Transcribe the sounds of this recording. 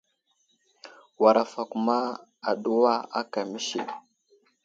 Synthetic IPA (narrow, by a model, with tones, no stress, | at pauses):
wa˨ɾa˨fa˨ku˦ma˦a˨ɗu˦wa˦a̰˦ka˨mi˦ʃḭ˨